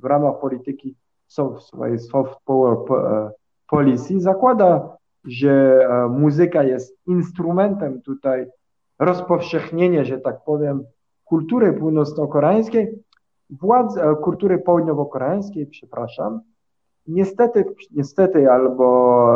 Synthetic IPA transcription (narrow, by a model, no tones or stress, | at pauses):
vɾamaxpɔlʲit̪ɘkʲi | sɔfsvɔ̰jɛsfɔft̪pɔp | pɔlʲit̪sʲjizakwad̪a | ʐɛmuzɘkajɛst̪̚inst̪ɾumɛnt̪ɛmt̪ut̪aj | ɾɔspɔfʂɛxɲeɲɛʐɛt̪ak̚pɔvʲjɛm | kult̪uɾɘpuwnɔt̪snɔkɔɾɛaj̃skʲej | vwad̪zɛkult̪uɾɘpɔwud̪ɲɔvɔkɔɾɛaj̃skʲejpʂɛpɾaʂa̰m | ɲɛst̪ɛt̪ɘɲɛst̪ɛt̪ɘalbɔ